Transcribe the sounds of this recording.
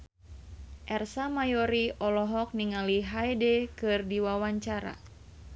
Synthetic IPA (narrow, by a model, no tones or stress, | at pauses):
ʔɛrsamajɔɾiʔɔlɔɦɔk̚niŋaliɦajdɛkɨrdiwawaɲt͡ʃaɾa̰